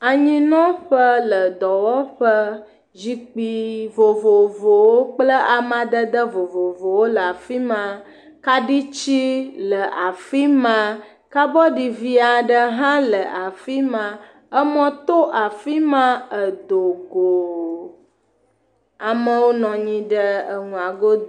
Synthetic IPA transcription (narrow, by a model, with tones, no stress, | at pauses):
a˨ɲĩ˦nɔ̃˦ɸə˦lə˨d̪ɔ˨wɔ˦ɸə˦ | zi˦k͡pi˨vo˨vo˨vo˨wo˦k͡plə˦ʔa˨mã˨d̪ə˦d̪ə˦vo˨vo˨vo˨wo˦lə˨a˨fi˦mã˦ | ka˦ɖi˦t͡ɕi˦lə˨ʔa˨fi˦mã˦ | ka˦bɔ˦ɖi˨vi˦a˨ɖə˦ɦã˦lə˨ʔa˨fi˦mã˨ | ə˦mɔ̃˦t̪o˦ʔa˨fi˦mã˦ə˨d̪o˨ɡo˨ | a˨mə̃˦wo˦nɔ̃˨ɲĩ˦ɖə˦ə˨ŋũ˨a˨ɡo˦